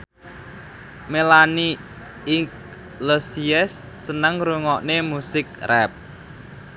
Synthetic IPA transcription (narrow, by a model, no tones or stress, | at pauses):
melani | ɪk | losiɛsː | ənəŋɾuŋɔʔnemusɪk̚rɛp̚